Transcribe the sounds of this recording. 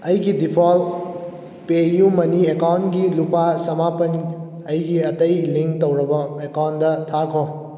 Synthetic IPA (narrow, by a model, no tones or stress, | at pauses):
ɐjɡidipʰol | pejumɐniekawntɡilupasɐmapɐn | ɐjɡiɐtɐjliŋktowɾɐbɐekawntdɐtʰakʰo